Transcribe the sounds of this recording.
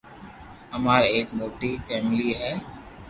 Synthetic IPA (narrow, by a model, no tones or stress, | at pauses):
ɐmaːɾeːkmoːʈifʰɛːmɪliɦɛː